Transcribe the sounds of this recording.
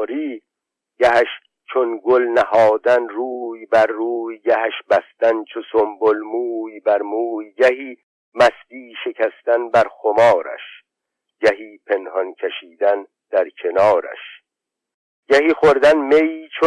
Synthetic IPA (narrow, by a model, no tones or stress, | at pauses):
ɾiː | ɟæɦæʃ | t͡ʃʰonɡolnæhɒːd̪ænɾuːjbæɾːuːjɡæɦæʃbæst̪ænt͡ʃʰosombolmuːjbæɾmuːjɡæɦiː | mæsd̪iːʃe̞cʰæst̪ænbæɾxomɒːɾæ̰ʃ | ɟ̥æɦiːpʰe̞nhɒncʰeʃiːd̪æn | d̪̥æɾcʰe̞nɒːɾæ̰ʃ | ɟ̥æhiːχoɾd̪ænmeiːt͡ʃʰo